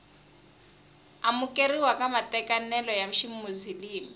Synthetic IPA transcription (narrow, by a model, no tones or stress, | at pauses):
amukʼeriwakʼamatʼɛkʼanɛlɔjam̩ʃimmuziliːmi